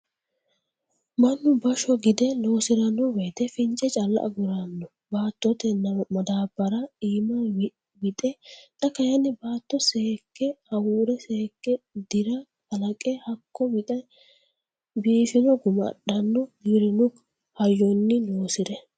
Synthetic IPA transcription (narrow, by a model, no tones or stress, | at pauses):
mɐnːʊbɐʃɔɡɪd̪ɛlo̞ːsɪɾɐnːɔwɛt̪ɛfɪnt͡ʃʼːɛt͡ʃʼɐlːɐ̰ʔɐ̰ɡʊɾanːɔ | baːt̪ːɔt̪ɛnmɐd̪aːbːɐɾɐiːmɐ | bɪt̪ʼɛt̪ʼɐkɐjɐnːɪbaːt̪ːɔseːkːɛhɐwuːɾɛseːkːɛd̪ɪɾɐ | ɐlɐkʼɛhɐkːɔbɪt̪ɐ | biːfɪnɔɡʊmɐ̰ɗɐnːɔɡɪɾɪnʊk | hɐjːɔnːɪloːsɪɾɛ